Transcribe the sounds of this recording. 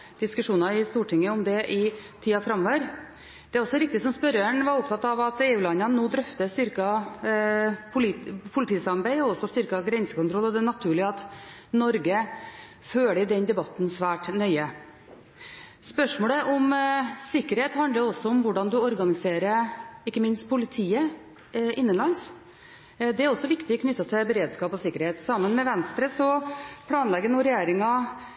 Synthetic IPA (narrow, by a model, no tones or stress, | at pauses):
d̪̥ɪskʉʂuːnɑɪst̪uːʈʰɪŋːəɔmd̪ɛʔɪt̪ʰiːɑfɾɑmːɔːʋəɾ | d̪̥ɛæɾɔsːɔɾɪk̚t̪ɪsɔmspœɾəɳʋɑɾʊp̚t̪ʰɑt̪ːɑʋɑt̪eːʉːlɑnːənənoːd̪ɾœft̪əst̪ʏɾkɑ | pʰʊlpʰʊlɪt̪ʰiːsɑmbæɪɔɔsɔst̪ʏɾkɑɡɾɛnsəkʊnt̪ʰɾɔlːɔd̪ɛnɑt̪ʰʉːɭɪəɑt̪nɔɾɡə | føːɭəd̪ɛnd̪ɛbɑt̪nsʋæːʈnœʏə | spœʂmoːləʔɔmsɪkːəɾheːt̪hɑnd̪əɔsːɔɔmʋʊɖɑnd̪ʉɔɾɡɑnɪseːɾəɪkːəmɪnst̪̚pʰʊlɪt̪ʰiːə | ɪnːənlɑns | d̪ɛæɾɔsːɔʋɪkt̪ɪkʰnʏt̪ːɑt̪ʰɛbəɾeːd̪skɑːpɔsɪkːəɾheːt̪sɑmːənmɛʋɛnst̪ɾəsɔpʰɽɑːnlɛɡənʊɾɛjeːɾɪŋɑ